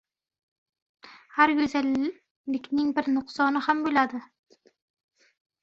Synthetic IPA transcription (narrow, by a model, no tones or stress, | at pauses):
haɾɡɵzalː | ɪkʲnɪŋbɪɾnʊqsɒnɨhambʊlad̪ɪ